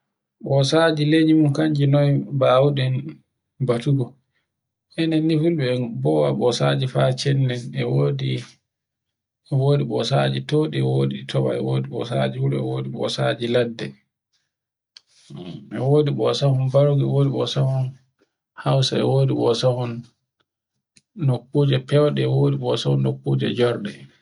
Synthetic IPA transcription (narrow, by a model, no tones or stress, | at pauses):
ɓɔsad͡ʒiled͡ʒimunkaɲd͡ʒinɔjbaːwuɗɛn | batuɡɔ | ʔɛnɛnːifulɓɛbɔwaɓɔsad͡ʒifat͡ʃɛnːɛnɛwodi | ɛwoːdiɓɔsad͡ʒitoːɗiɛwoːditʰɔwa̰ɛ̰wodiɓɔ̰sa̰d͡ʒifulɛɛ̰woːdiɓɔ̰sad͡ʒiladːɛ | ɛwoːdiɓɔsahɔnbaɾoɡɛwoːdiɓɔ̰sahɔn | hawsaɛ̰woːdiɓɔsahɔn | okːuːd͡ʒɛpɛwɗɛɛwoːdiɓɔsahɔnːokːuːd͡ʒɛ̰d͡ʒɔɾɗɛ